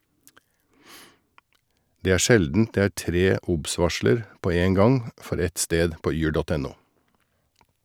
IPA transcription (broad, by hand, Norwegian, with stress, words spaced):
ˈdeː ˈæːɾ ˈʃɛldn̩t ˈdeː ˈæːɾ ˈtɾeː ˈʊbˌsʋɑʃləɾ ˈpoː ˈeːŋ ˈɡɑŋ ˈfɔɾ ˈɛt ˈsteːd ˈpoː ˈyːɾ ˈdoːt ˈɛn ˈuː